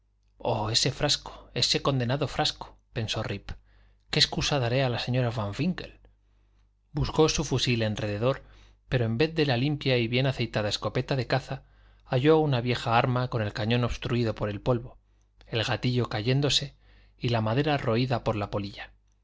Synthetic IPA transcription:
o̞e̞se̞fɾaskoe̞se̞ko̞nd̪e̞naðo̞fɾasko̥pe̞nso̞rip | keːskusaðaɾe̞alase̞ɲo̞ɾafaɱfiŋke̞̰l | busko̞sufusile̞nre̞ðe̞ðo̞ɾ | pe̞ɾo̞e̞mbe̞θðe̞lalimpjaiβje̞naθe̞jt̪aðae̞sko̞pe̞t̪aðe̞kaθaː | ʝo̞unaβje̞xaaɾmako̞ne̞lkaɲõ̞no̞βst̪ɾuiðo̞po̞ɾe̞lpo̞lβo̞ | e̞lɣat̪iʎo̞kaʝe̞nd̪o̞se̞ | ilamaðe̞ɾaro̞iðapo̞ɾlapo̞liʎa

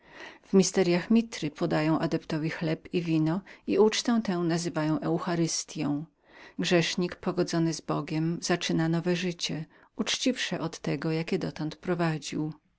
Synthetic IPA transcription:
v̥mʲist̪ɛɾjaxmʲit̪ɾɘpɔd̪ajɔ̃w̃ʔad̪ɛpt̪ɔvʲixlɛpivʲinɔiut͡ʂt̪ɛ̃w̃t̪ɛ̃w̃nazɘvajɔ̃w̃ʔɛwxaɾɘst̪ʲjɔ̃w̃ | ɡʐɛʂɲikpɔɡɔd̪zɔnɘzbɔɡʲɛmz̥at͡ʂɘnanɔvɛʐɘt͡ɕɛ | ut͡ʂt͡ɕifʂɛʔɔt̪ːɛɡɔjakʲɛd̪ɔt̪ɔnt̪pɾɔvad͡ʑiw

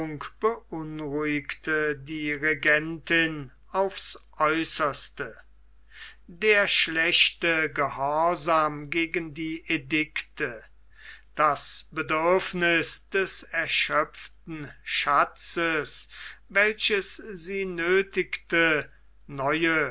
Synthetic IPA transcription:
ʊŋkb̥əʔʊnʁuɪktʰədiːʁeɡɛntɪn | aʊfsʔɔʏsɐstə | deːɐʃlɛɕtəɡəhɔɐzaːmɡeːɡəndiːʔedɪktə | d̥asb̥ədʏɐfnɪsd̥ɛsɛɐʃœftn̩ʃat͡səsvɛlɕəsziːnøːtɪktə | nɔʏə

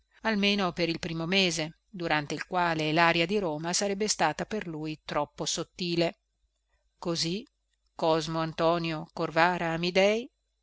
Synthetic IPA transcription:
almeːnopeɾilpɾiːmomeːze | d̪uɾant̪eilkwaːlelaːɾjad̪iɾoːmasaɾɛbːest̪aːt̪aperlujt̪ɾɔpːosot̪ːiːle | kozi | kɔzmoant̪ɔːnjokorvaːɾaːmid̪ɛj

